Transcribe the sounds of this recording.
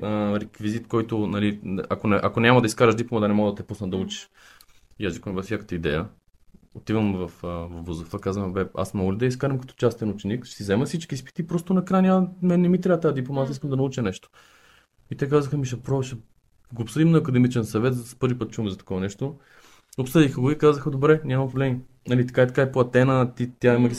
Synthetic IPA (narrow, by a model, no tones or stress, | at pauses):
əɾɛkvizit̪kɔjt̪onɐliʔɐkonɛʔɐkonʲamɐd̪ɐiskaɾəʃd̪iplˠomat̪anɛmɔɡd̪ɐt̪ɛpusnəd̪ɐut͡ʃi̥ʃ | ijazʒikəmvɐfsʲakə̥t̪əid̪ɛ̰jə | ot̪ivəmvɐfəvɐvuzofɐkazvəmbɛa̰smɔɡolid̪ɐiskaɾɛmkɐ̥t̪ɔ̥t͡ʃast̪ɛnut͡ʃɛnikʃɛ̥sizɛmɐsit͡ʃkispi̥t̪iːpɾɔst̪onɐkɾajnʲamɛnnɛmit̪ɾat̪ajad̪iplˠomat̪əiskəmd̪ɐnɐut͡ʃənɛʃt̪o̥ | it̪ɛkazəxəmiʃ̬ɛpɾɔʃɛ | ɡoːpsɤd̪imnɐːkɐd̪ɛmit͡ʃɛnsɐvɛt̪zspɤɾvipɤt̪̚t͡ʃuvɐmzɐt̪ɐ̥kɔvɐnɛʃt̪o | opsɤd̪ixəɡoikazəxəd̪obɾɛnʲamɐmpɾovlɛmi | nɐlit̪ɐ̥kait̪ɐ̥kaɛplˠɐt̪ɛnət̪it̪ʲjaiməɡʲi